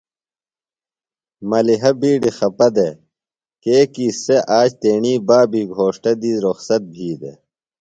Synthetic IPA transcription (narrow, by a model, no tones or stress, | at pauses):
mɐliɦɐbiːɖixɐpɐd̪e | keːkiːseʔaːt͡ɕt̪eːɳiːbaːbʱiːɡʱoːʂʈɐd̪iːzɾoxsɐt̪̚bʱiːd̪ḛ